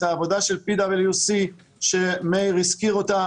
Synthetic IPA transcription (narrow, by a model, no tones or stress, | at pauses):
t̪aːvo̞daʃe̞lpid̪abeljusi | ʃemejʁiskiʁo̞t̪a